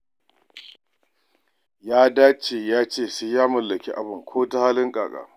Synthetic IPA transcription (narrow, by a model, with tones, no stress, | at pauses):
jaː˦daː˦t͡ʃeː˨jaː˦t͡ʃeː˦˨se˦jaː˦mʊ˨lːɐ˨kʲi˦ʔa˨bʊ˨ŋkʷʰoː˦ta˦haː˦lɪ˦ŋkʼaː˨kʼa̰ː˨